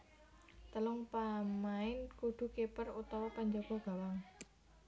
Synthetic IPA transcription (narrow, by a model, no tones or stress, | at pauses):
t̪əlʊŋpamaɪnkuɖ̪̥ṳkepərut̪awɔkaɲd͡ʒɔɡ̥ɔ̤ɡ̥a̤waŋ